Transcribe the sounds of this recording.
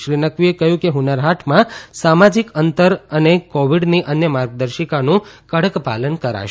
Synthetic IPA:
ʃɾinəkʋiekəɦjũkeɦunəɾɦaʈʰmãsamad͡ʒikənt̪əɾənekoʋiɽniʔənjəmaɾɡ̚d̪əɾʃəkanũkəɽəkpa̰lənkəɾa̰ʃ

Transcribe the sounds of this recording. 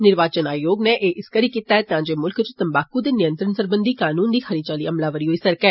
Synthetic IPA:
nɪɾʋaːt͡ʃənaːjoːɡneːʔeːʔɪskəɾiːkiːt̪aːɛːt̪ɪãːd͡ʒeːmʊlkt͡ʃt̪əmbaːkuːd̪eːnɪjə̃nt̪ɾənsəɾbənd̪iːkaːnuːnd̪iːxʰəɾiːt͡ʃaːliːəmlaːʋəɾiːɦoːiːsəɾkɛː

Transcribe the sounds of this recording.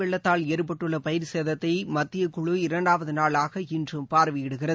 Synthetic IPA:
ɛɭːɐt̪ːaːleːɾpɐʈːɯɭːɐpɐjɪɾseːðɐt̪ːɐɪmɐt̪ːɪjɐkʊɻɯɪɾɐɳɖaːʋɐðɯnaːɭaːɣɐɪndrɯmpaːɾʋɪjɪɽɯɣɪrɐðɯ

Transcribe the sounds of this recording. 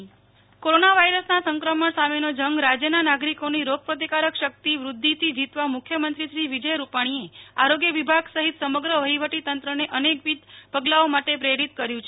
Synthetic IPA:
koɾonaʋaiɾəsnasəŋkɾəməɳsamenod͡ʒəŋɡɾad͡ʒjənanaɡɾikoniɾoɡ̚pɾət̪̬ikaɾəkʃək̚t̪iʋɾud̪ʱːit̪ʰid͡ʒit̪ʋamukʰjəmənt̪ɾiʃɾiʋid͡ʒəjɾupaɽ̃ieaɾoɡjəʋibʱaɡsəɦit̪səməɡɾəʋəɦiʋəʈit̪ənt̪ɾəneʔənekʋid̪pəɡlaomaʈepɾeɽit̪kəɾjũt͡ʃʰe

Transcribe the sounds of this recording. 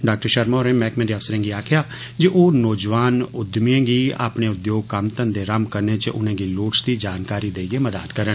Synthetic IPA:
ɖaːk̚ʈəɾʃəɾmoːɾẽːmɛːkmẽd̪iːəsəɾẽːŋɡiːaːkʰɪjaː | d͡ʒiʔoːnoːd͡ʒʋaːnʊd̪miẽːɡiːa̰ːpɳeːʊd̪joːɡ̚kəmt̪ənd̪eːɾəmkəɾneːt͡ʃəʔʊnẽːɡiːloːʈsd̪iːd͡ʒaːnkaːɾiːd̪eːieːməd̪a̰ːt̪kəɾən

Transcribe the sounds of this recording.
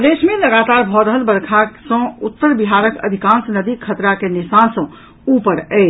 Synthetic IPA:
d̪esmeləɡat̪aɾbʱɔɾəɦəlbəɾkʰasə̃ut̪ːəɾbiɦaɾəkə̰d̪ʱikãnsnəd̪ikʰət̪ɾakenisansə̃ | upəɾəɪt͡ʃʰ

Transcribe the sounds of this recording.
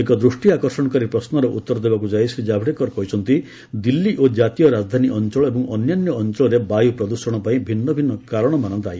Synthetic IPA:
ekɔd̪ɾusʈiakɔɾsɔɽ̃ɔkɔɾipɾɔsnɔɾɔʔut̪ːɔɾd̪ebakud͡ʒajsɾid͡ʒabʱɽekɔɾɔkɔɦut͡ʃʰɔnt̪i | d̪ilːiʔod͡ʒat̪ijɔɾad͡ʒd̪ʱaniʔɔnt͡ʃɔɭɔebɔŋʔɔnjanjɔːnt͡ʃɔɭɔɾebajupɾɔd̪uɾsɔɽ̃ɔpaĩbʱinːɔbʱinːɔkaɾɔɽ̃ɔmanɔnt̪aaj

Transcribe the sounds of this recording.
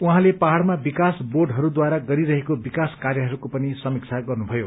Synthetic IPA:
uɦãlepaɦaɽmabikasborɖɦʌɾud̪waɾaɡʌɾiɾʌɦekobikaskarjʌɦʌɾukopʌnisʌmik̚t͡sʰaɡʌrnubʱʌjo

